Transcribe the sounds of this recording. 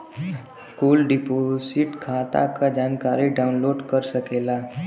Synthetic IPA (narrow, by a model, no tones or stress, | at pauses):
skuːlɖɪposɪʈkʰaːt̪a̰kad͡ʒaːnkaːɾiɖaːʊnloːɖkəɾsəkeːlaː